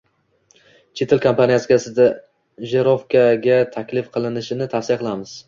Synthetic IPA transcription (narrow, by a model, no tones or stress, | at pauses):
t͡ʃʰe̞t̪ʰelkʰampʰanijaskʲasɪd̪a | ʒe̞ɾofkʰaɡʲat̪ʰakʲlɪfqʰɨlˠɪnɪʃɪnɪt̪ʰasɪjqʰɨlˠamɪz̥